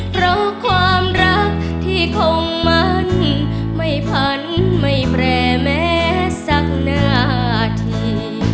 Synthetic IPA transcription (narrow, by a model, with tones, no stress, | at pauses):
pʰɾa˧˥wkʰwaː˧mɾa˦˥k̚ | t̪ʰiː˥˩kʰo˧ŋma˦˥n | ma˥˩jpʰa˧˦˥nma˥˩jpʰɾɛː˧˩mɛː˦˥sa˧˦˥k̚naː˧˩˧t̪ʰi˧˩